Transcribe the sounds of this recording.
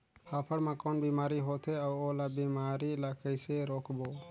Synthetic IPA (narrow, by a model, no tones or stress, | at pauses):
haːpʰəɽmãːkoːnbiːmaːɾiɦoːt̪ʰeaʊoːlaːbimaːɾilakəjseɾoːkʰboː